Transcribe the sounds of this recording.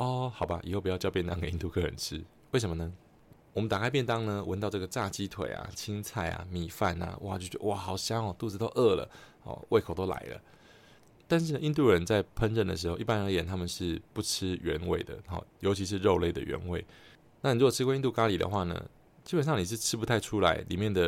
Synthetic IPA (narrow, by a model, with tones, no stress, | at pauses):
ɔ˥˩xɑ˨˩ʊba˦ʔḭ˨˩xo˥˩pu˩jʊjpjɛ˥˧nt̪ɑ˥ŋke˨˩i˥˧t̪u˥˧kʰɤ˥ɻə̰˧˦nʈ͡ʂ̩ʰ˦ | we˥˩ɪʂə˧˦mə˧nə˧˦ | wɔ˨˩mə˦nt̪a˨˩kʰa˥ɪp̬jɛ˥˩nt̪ɑ˥ŋnə˧wʔə˧˦nt̪ɑ˥˧ʈ͡ʂɤ˥˩ɡə˩ʈ͡ʂa˥˩t͡ɕi˥t̪ʰwḛ˨˩ɪa̰˨t͡ɕʰi˥ŋt͡sʰa˥˩ɪa̰˨mi˨˩fa˥˨˩na̰˨˩wʔa̰˥˨˩t͡ɕjo˥˩ʊt͡ɕɛ˧˥ə˧wa˨˩xɑ˨˩ʊɕjɑ˥ŋɔ˨˩t̪u˥˧˩t͡s̩˧˥t̪o˥ʊʔə˥˩lə̰˨˩hɔ̰˨˩wḛ˥˩kʰo˨ʊt̪o˥ʊla̰˨˧˥ɪlə̰˨ | t̪a˥˧nʂ̬ɻ̩˥˩nə˩ʔi˥˧nt̪u˥˩ɻə˧˦nt͡sa˥˩ɪpʰə˥nɻə˥˩nd̪ə̰˩ʂ̬ɻ̩˧˥xo˥˧ʊʔi˥˩pa˥nə˧ə˧˥jɛ˨˩nt̪ʰa˥mə˨nʂɻ̩˥˩pu˥˩ʈ͡ʂʰɻ̩˥ɥɛ˧˦nwe˥˩ɪd̪ə̰˩xɔ̰˥˩jo˧˥ʊt͡ɕʰi˧˥ʂ̬ɻ̩˥˧ɻo˥˧ʊle˥˩ɪd̪ə̰˨ɥɛ̰˧˥nwe˥˩ɪ | na˥˩ni˨ɻu˧˥kɔ˨˩ʈ͡ʂʰɻ̩˥kwi˥˧nt̪u˥˧ka˥li˨˩d̪ə̰˦xwa˥˩nə̰˩ | t͡ɕi˥pə˨˩nʂɑ˥˩ŋni˨˩ʂ̬ɻ̩˥˩ʈ͡ʂʰɻ̩˥pu˧t̪ʰa˥˧ɪʈ͡ʂʰu˥la˧˥ɪlḭ˨˩mjɛ˥˩nd̪ə˩